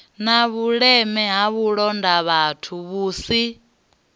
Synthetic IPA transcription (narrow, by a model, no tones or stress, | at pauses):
naβuɺɛmɛɦaβuɺɔndaβatʰuβuːsi